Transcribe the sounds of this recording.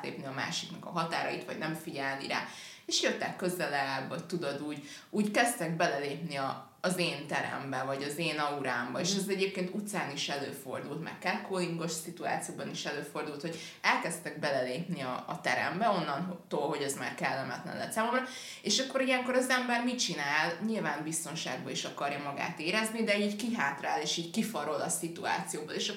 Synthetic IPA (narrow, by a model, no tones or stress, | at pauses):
lḛːpniɒma̰ːʃiknɒkɒ̰ɦɒt̪aːɾɒjit̪ʋɒ̰ɟnɛɱfiɟɛlnḭɾa̰ː | eʃjøt̪ːɛkːø̞zɛlɛbɒct̪ud̪o̞d̪uːɟ | uːɟkɛst̪ɛɡ̚bɛlɛleːpniɒː | zeːnt̪ɛɾɛ̰mbɛvɒɟɒzeːnɒuɾaːmbɒeːʃɛzɛɟeːp̚keːnt̪ut̪saːniʃɛlø̰ːfo̞̰rd̪ult̪mɛ̰rkɛrkoːliŋɡo̞ʃsit̪ua̰ːt̪sijoːbɒniʃɛløːfo̞rd̪ult̪ho̞ɟ | ɛlkɛst̪ɛɡ̚bɛlɛleːpniɒ̰ːt̪ɛɾɛ̰mbɛo̞nːɒnɦt̪oːlɦo̞ɟɛzma̰ːrkɛlːɛmɛt̪lɛ̰nlɛ̰t̪saːmo̞mrɒ | eːʃɒkːo̞ɾijɛŋko̞ɾɒzɛmbɛrmit͡ʃinaːlɲilvaːmbist̪o̞nʃa̰ːɡbɒiʃɒkɒrjɒmɒɡa̰ːt̪eːɾɛznid̪ɛiːɟkiɦaːt̪raːleːʃiːɟkifɒɾo̞lɒsit̪ua̰ːt̪sijoːboleːʃɒ